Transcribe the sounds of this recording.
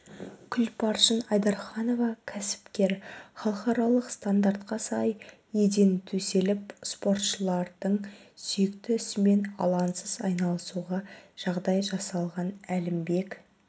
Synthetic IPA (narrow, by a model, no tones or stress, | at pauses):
kʲʰʏlpʰɑɾʃənɑjd̪ɑɾχɑno̞vɑkʲʰæsɪ̥pkʲe̞ɾχɑlˠəqɑɾɑlˠəqst̪and̪aɾt̪qɑsɑj | e̞d̪e̞nt̪ʰɵse̞lɪpspo̞ɾt̪ʃəlˠɑɾd̪əɴsʏjɪkt̪ɪʏsɪme̞nɑ̰lˠɑnsəz̥ɑjnɑlˠəsuʁɑʒ̥ɑʁd̪ɑjʒɑsɑlˠʁɑnælɪmbe̞k